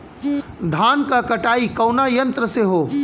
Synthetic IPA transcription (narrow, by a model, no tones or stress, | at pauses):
d̪ʱaːnkakɐʈaːikɐʊnajɐ̃nt̪ɾəseɦoː